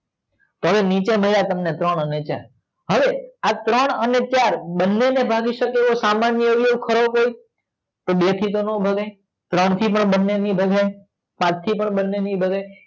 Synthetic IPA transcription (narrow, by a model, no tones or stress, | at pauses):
t̪oɦəʋenit͡ʃeməlat̪əmnet̪ɾəɽənet͡ʃa̰ɾ | ɦəʋeat̪ɾəɳ̃ənet͡ʃaɾbənːenebʱaɡiʃəkeosamanjəʋieũkʰəɾokoi | t̪obet̪ʰit̪onobʱəɡa | t̪ɾəɳ̃t̪ʰipəɳbənːenibʱəɡaj | pãt͡ʃt̪ʰipəɳbənːenibʱəɡaj